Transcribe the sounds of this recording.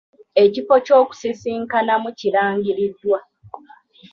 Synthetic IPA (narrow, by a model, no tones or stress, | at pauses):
e̞cifo̞co̞ːku̥sisiːŋkanamuciɾaːɲɡiɾidːwa